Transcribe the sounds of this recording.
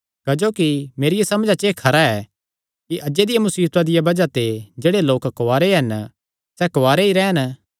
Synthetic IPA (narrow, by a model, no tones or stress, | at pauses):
kɐd͡ʒoːkimeːɾɪjasɐmd͡ʒat͡ʃekʰɐɾaɛ | kiʔɐd͡ʒed̪ɪjamʊsiːt̪ad̪ɪjabɐd͡ʒat̪ed͡ʒeːɽeloːkkːaːɾeɦɛn | sɛkoʋaːɾeiɾɛːn